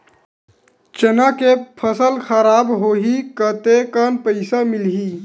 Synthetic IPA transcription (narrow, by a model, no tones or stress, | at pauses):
t͡ʃənakepʰəsəlxəɾaːbɦoːɦikət̪ekənpəɪsamɪlɦi